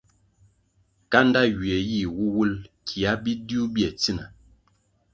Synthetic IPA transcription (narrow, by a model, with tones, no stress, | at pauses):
ka˦n˦da˦ɥi˨ɛ˨ji˦˨wu˦wu˦lkʰi˨a˦bi˦di˦u˦bi˦ɛ˨t͡si˦na˨